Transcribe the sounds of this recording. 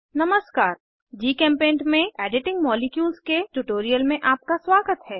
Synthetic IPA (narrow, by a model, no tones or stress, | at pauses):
nɐməskaːɾ | d͡ʒiːkɛ̃ːmpẽːɳʈmẽɛːɖɪʈɪ̃ŋɡmɔːlɪkjuːlskeʈuʈoːɾijəlmẽʔaːp̚kaswaːɡət̪ɦɛː